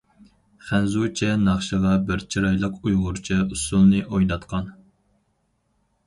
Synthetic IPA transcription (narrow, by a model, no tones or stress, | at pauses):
χænzut͡ʃʰɛnɑχʃəʁɑbɪɾt͡ʃʰiɾɑjlˠəqujʁʊɾt͡ʃʰɛusulˠnɨʔojd̪ɑt̪qʰɑn